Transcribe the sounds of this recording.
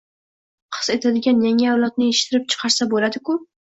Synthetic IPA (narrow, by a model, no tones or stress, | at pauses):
qʰɨ̥ze̞t̪ʰad̪ɪɡʲanjaŋawlˠɒt̪̚nɪeʃɪ̥t̪ʰɪɾɪp̚t͡ʃʰɨ̥qʰɑɾsabolad̪ɪkʊ